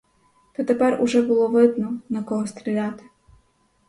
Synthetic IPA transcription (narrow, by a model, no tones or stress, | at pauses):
b̪ɔt̪ɛpɛrʊ̰ʒɛbʊlˠɔʋɪd̪nɔnɐkɔɦɔst̪ɾʲilʲɑt̪ɪ̥